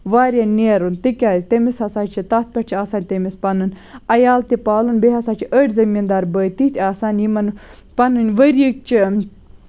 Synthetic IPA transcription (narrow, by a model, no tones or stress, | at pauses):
ʋaːɾʲɐneːɾunt̪ɨkʲaːzʲt̪emisɐsaːt͡ʃʰit̪ɐt̪̚pʲɐʈt͡ʃʰiaːsaːnʲt̪emispɐnɨn | ɐjaːlt̪ipaːlunbeɦɐsaːt͡ʃʰiʔəʈʲzɐmiːnd̪aːɾbəːt̪it̪ʰʲaːsaːnimɐn | pɐnɨnʲʋəɾik̚t͡ʃʰi